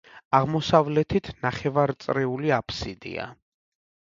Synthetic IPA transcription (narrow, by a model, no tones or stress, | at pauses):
aʁmɔsavlɛt̪ʰit̪ʰnaχɛvaɾt̪sʼɾɛuliapʰsid̪ḭa̰